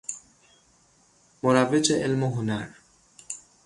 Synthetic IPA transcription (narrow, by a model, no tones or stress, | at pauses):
moɾabet͡ʃeʔelmoɦʊnaɾ